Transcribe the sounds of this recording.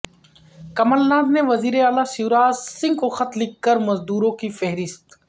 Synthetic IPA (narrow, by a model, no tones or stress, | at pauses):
kəməlnãːd̪neːʋəziːɾeaːlaːsiːɾaːzsɪ̃ŋɡkoːxət̪lɪkːəɾməzd̪uːɾõːkifeɦɾɪst̪